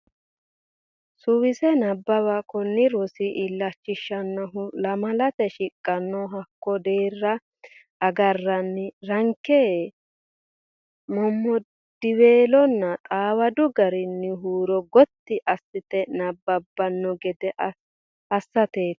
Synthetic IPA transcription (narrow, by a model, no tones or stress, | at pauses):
sʊwɪsɛnɐbːɐwɐkɔnːɪɾɔsɪʔɪlːɐt͡ʃːɪʃːɐnːɐɦʊlɐmɐlɐt̪ɛʃɪkʼːɐnːɔɦɐkːɔd̪eːrːɐ | ɐɡɐrːɐnːɪɾɐŋkːɛ | mɔmːɔ | d̪̥ɪweːlɔnːɐt̪ʼaːwɐd̪ʊɡɐɾɪnːɪɦuːɾɔɡɔt̪ːɪʔɐsːɪt̪ɛnɐbːɐbːɐnːɔɡɛd̪ɛʔ | ɐsːɐt̪eːt̪